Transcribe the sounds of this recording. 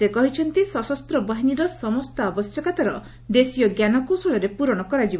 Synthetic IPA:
ekɔɦit͡ʃʰɔnt̪isɔsɔst̪ɾɔbaɦiniɾɔsɔmɔst̪ɔabɔsjɔkat̪aɾɔ | d̪esijɔɡjanɔkosɔɭɔɾepuɾɔɽ̃ɔkɔɾad͡ʒib

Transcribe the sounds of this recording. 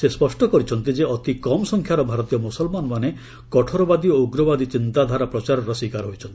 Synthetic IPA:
sespɔsʈɔkɔɾit͡ʃʰɔnt̪id͡ʒeɔt̪ikɔmɔsɔŋkʰjaɾɔbʱaɾɔt̪ijɔmusɔlmanmane | kɔʈʰɔɾɔbad̪ioɡɾɔbad̪it͡ʃint̪ad̪ʱaɾapɾɔt͡ʃaɾɔɾɔsikaɾɦojt͡ʃʰɔnt̪i

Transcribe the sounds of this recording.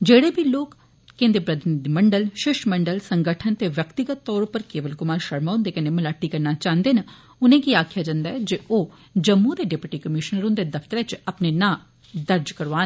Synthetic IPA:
d͡ʒeːɽeːbʱiːloːkː | ẽːnd̪ipɾəd̪nd̪iməɳɖəlʃɪʃməɳɖəlsəŋɡəʈʰənt̪eːʋjəkt̪ɪɡət̪ːɔːɾʊpəɾkeːʋəlkʊmaːɾʃəɾmaːʊ̃nd̪eːkəneːməlaːʈiːkəɾnaːt͡ʃãːnd̪eːnə | ʊnẽːkiaːkʰjaːd͡ʒãːnd̪aːɛd͡ʒeʔoː | d͡ʒəmːud̪eːɖepɪʈiːkəmɪʃnəɾʊ̃nd̪eːd̪əfʰt̪əɾet͡ʃəpneːnãː | d̪əɾd͡ʒkəɾʋaː

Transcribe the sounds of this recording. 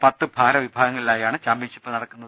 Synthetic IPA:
pɐt̪ːɨbʱaːɾɐʋibʱaːɡɐŋːɐɭilaːjaːɳɨt͡ɕaːmbinʂipːɨnɐɽɐkːunːɐðɨ

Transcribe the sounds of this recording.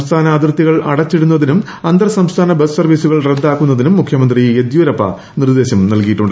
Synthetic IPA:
st̪ʰaːnɐːd̪irt̪ːiɣɐɭɐ̰ɽɐt͡ɕːiɽunːɐðinum | ɐnd̪ɐrɐsɐmst̪ʰaːnɐbessɐrʋisuɣɐɭred̪ːaːkːunːɐðinumːukʰjɐmɐnd̪ried̪joːɾɐpːɐ̰ | nird̪e̞ːɕɐmnɐlkijiʈːuɳɖɨ

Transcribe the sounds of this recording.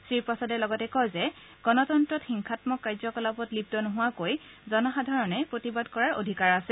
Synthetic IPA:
sɹipɔsɔdɛlɔɡɔtɛkɔjzɛ | ɡ̥ɔnɔtɔntɹɔtxiŋkʰatmɔkːajzɔkɔlapɔtlib̚tɔnoɦʊwakoj | zɔnɔxadʱaɹɔnɛpɹotibadkɔɹaɹo̰dʱikaɹasɛ

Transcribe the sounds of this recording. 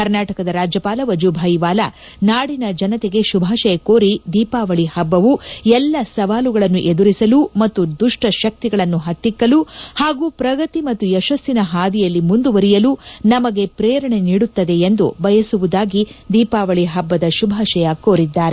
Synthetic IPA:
kɐɾnaːʈɐkɐd̪ɐɾaːd͡ʒjɐpaːlɐʋɐd͡ʒubʱaːjiʋaːlɐ | naːɽinɐd͡ʒɐnɐt̪eɡe̞ʃubʱaːʃɐjɐkoːɾid̪iːpaːʋɐɭihɐbːɐʋuɛlːɐsɐʋaːluɡɐɭɐnːuʔed̪uɾisɐlumɐt̪ːud̪uʂʈɐʃɐk̚t̪iɡɐɭɐnːuɦɐt̪ːikːɐluhaːɡuːpɾɐɡɐt̪imɐt̪ːujɛʃɐsinɐɦaːd̪ijɐlːimund̪uʋɐɾijɐlunɐmɐɡe̞pɾɛːɾɐɳe̞niːɽut̪ːɐd̪e̞end̪ṵbɐjɐsuʋud̪aːɡid̪iːpaːʋɐɭiɦɐbːɐd̪ɐʃubʱaːʃɐjɐko̞ːɾid̪ːaːɾe

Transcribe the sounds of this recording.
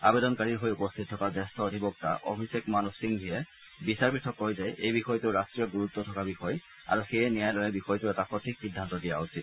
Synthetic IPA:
abed̪ɔnkaɹiɹɦojupost̪ʰit̪̚ʰːɔkazɛst̪ʰɔod̪ʱibɔk̚t̪a̰ʔɔ̰bʱisekmanussiŋbʱijɛ | bisaɹpɹitʰːɔkːɔɦojzajʔejbixɔjteʊɹastɹiɔɡuɹut̪ːɔtʰɔkabixɔj | a̰ɹuxejɛnijajlɔlɛbixɔjteɛtapɔt̪ʰiksid̪ʱːant̪ɔdija̰usʰit̪

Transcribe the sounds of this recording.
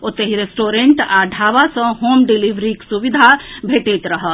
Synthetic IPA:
ot̪ːeɦiɾesʈoɾẽɳʈaɖʱaβasə̃ɦomɖilibɾiksubid̪ʱabʱeʈet̪ɾəɦəl

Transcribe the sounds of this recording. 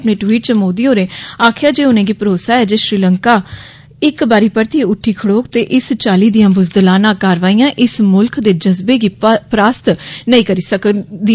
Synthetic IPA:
pnẽːʈwiːʈ̚t͡ʃəmoːd̪iːɦoːɾẽːaːkʰɪjaːd͡ʒeːʊnẽːɡiːpəɾoːsaːɛːd͡ʒeːʃɾiːləŋkaː | ɪkbaːɾiːpəɾt̪ieːʊʈʰːiːkʰəɽoːkt̪eːʔɪst͡ʃaːliːd̪ɪjãːbʊzd̪əlaːnãːkaːɾʋaːiːjãːʔɪsmʊlkd̪eːd͡ʒəzbeːɡiːpɾaːst̪nəĩːkəɾiːsəkd̪i

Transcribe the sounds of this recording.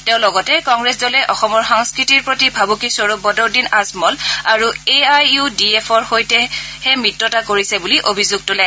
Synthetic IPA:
tɛʊ̃lɔɡɔtɛkɔŋɡɹɛszɔlɛʔɔxɔmɔɹxɔŋskɹitiɹpɹotibʱabukisoɹobɔdɔɹdinasmɔlaɹueajudiepʰɔɹxojtɛhɛmɹitːɔtakoɹisɛbuliʔobʱizuɡ̚tʊlɛ

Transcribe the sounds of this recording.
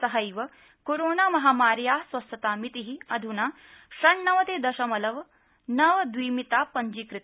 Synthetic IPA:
sɐɦɐjʋɐ | koɾoːnaːmɐɦaːmaːɾjaːsʋɐst̪ɐt̪aːmit̪iɦiɐd̪ʱunaː | ʃɐɳːɐʋɐt̪eːd̪ɐʃɐmɐlɐʋ | nɐʋɐd̪ʋiːmit̪aːpɐɲd͡ʒikɾɪt̪

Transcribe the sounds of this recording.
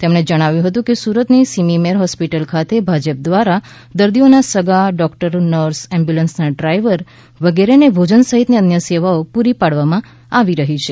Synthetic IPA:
t̪emɳ̃ed͡ʒəɽ̃aʋjũɦət̪ũkesuɾət̪nisimimeɾɦɔspiʈəlkʰat̪ebʱad͡ʒəp̚d̪ʋaɾa | d̪əɾd̪ionasəɡaɖɔkʈəɾnəɾsɛ̃mbjulənsnaɖɾajʋəɾ | ʋəɡeɾenebʱod͡ʒənsəɦit̪neənjəseʋaopuɾipaɽʋamã | aʋiɾəɦit͡ʃʰe

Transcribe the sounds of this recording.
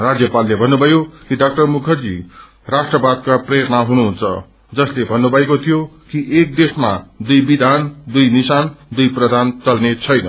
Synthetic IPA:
rad͡zjʌpalːebʱʌnːubʱʌjokiɖak̚ʈʌrmukʰʌrd͡zḭ | rasʈrʌbad̪̚kaprejʌɾʌnaɦunuɦunt͡sʰʌ̰ | d͡zʌslebʱʌnːubʱʌekot̪ʰijokiʔek̚d̪esmad̪ujbid̪ʱand̪ujnisand̪ujprʌd̪ʱant͡sʌlnet͡sʰʌjnʌ̰

